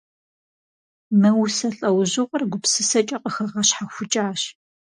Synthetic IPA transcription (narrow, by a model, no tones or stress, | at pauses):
mɐwsɐɬʼɐwʑʊʁɐrɡʷʊpsɨsɐt͡ʃʼɐqəxɐʁɐɕħaxʷʊt͡ʃʼaːɕ